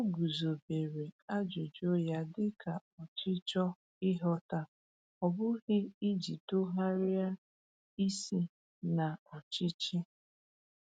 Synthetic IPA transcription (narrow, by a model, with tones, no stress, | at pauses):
o˦ɡu˨zo˨be˨ɾe˨a˦d͡ʒo˨d͡ʒo˦ja˦dɪ˦kʰa˨ɔ˨t͡ʃɪ˦t͡ʃɔ˦ | ɪ˦ɦɔ˦ta˦ | ɔ˨bʊ˦ɣɪ˦i˦d͡ʒi˨to˦ɦa˦ɾɪ˦a˦ | i˦si˦ | na˨ɔ˨t͡ʃɪ˦t͡ʃɪ˦